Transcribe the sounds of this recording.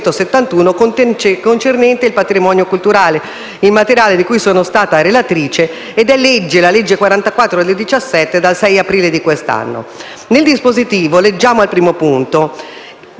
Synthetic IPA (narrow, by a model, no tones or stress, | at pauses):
t̪oset̪ːant̪uːnokokont͡ʃernɛnt̪eilpat̪ɾimɔːnjokult̪uɾaːle | ilmat̪eɾjaːled̪ikujsoːnost̪aːt̪aɾelat̪ɾiːt͡ʃeː | d̪ɛlːed͡ʒːelaled͡ʒːekwaɾant̪akwat̪ːɾod̪eld̪it͡ʃasːɛt̪ːed̪alsɛjapɾiːled̪ikwest̪a̰nːo̰ | neld̪ispozit̪iːvoled͡ʒːaːmoalpɾiːmopunt̪o